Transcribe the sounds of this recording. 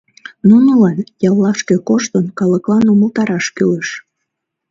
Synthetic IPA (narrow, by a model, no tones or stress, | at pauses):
nunəlɑnjɑllɑʃkekoʃt̪ənkɑləklɑnuməlt̪ɑɾɑʃkyleʃ